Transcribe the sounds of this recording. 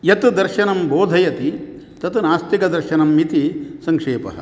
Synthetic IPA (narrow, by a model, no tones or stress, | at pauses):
jɐt̪ud̪ɐɾʃɐnɐmboːd̪ʱɐjɐt̪i | t̪ɐt̪unaːst̪ikɐd̪ɐɾʃɐnɐmːit̪isɐŋkʂeːpɐ̰ɦɐ̰